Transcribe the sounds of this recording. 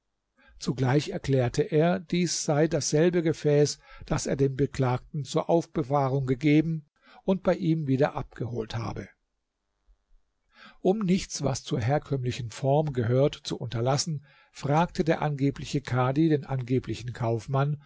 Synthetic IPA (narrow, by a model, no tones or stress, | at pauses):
t͡suɡlaɪçɛɐkl̥ɛːɐtʰəʔeːɐd̥iːsz̥aɪdasz̥ɛlbəɡəfɛːsd̥asḛːɐdeːmbəkl̥aːk̚tn̩t͡suːɐʔaʊfb̥əvaːʁʊŋɡəɡeːbm̩ | ʔʊnt̚b̥aɪʔiːmviːdɐʔap̚ɡ̥əhoːltha̰ːbə | ʔʊmnɪçt͡sv̥a̰st͡suːɐɦeːɐkʰœmlɪçn̩fɔɐmɡəɦøːɐtt͡suʔʊntɐlasn̩ | fʁ̥aːktədeːɐʔanɡeːplɪçəkʰaɐdideːnʔanɡeːplɪçn̩kʰaʊfman